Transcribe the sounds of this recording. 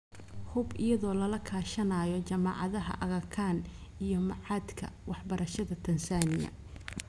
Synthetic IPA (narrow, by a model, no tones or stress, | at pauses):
hʊbʔɪjɐðɔːlɐlɐkʰaːʃɐnaːjɔt͡ʃɐmɑ̰ʕɑðɐɦɐ̰ʔɐɣɐkʰaːnijɞmɑʕɑːd̪kʰɐ̰wɑħbɐɾʔɐʃɐðɐt̪ʰɐnsaːnɪjɐ̰